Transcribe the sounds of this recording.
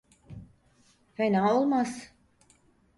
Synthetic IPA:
fenaːolˠmas

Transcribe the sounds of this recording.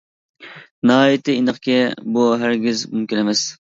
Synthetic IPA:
nɑɦɑːjit̪ʰɪinəχkʲɛbuɦæɾɡʲizmymkʲinemɛs

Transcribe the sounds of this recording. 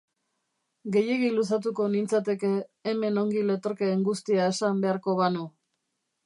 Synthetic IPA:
ɡe̞je̞ɣilusat̪̬uko̞nint͡sat̪e̞ke̞ːme̞no̞ŋɡile̞t̪o̞ɾkeːŋɡust̪iae̞sambe̞aɾko̞βanu

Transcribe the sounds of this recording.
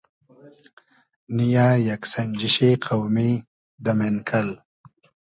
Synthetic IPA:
nijajaksaɲd͡ʒiʃeqʰawmi | d̪amenkʰal

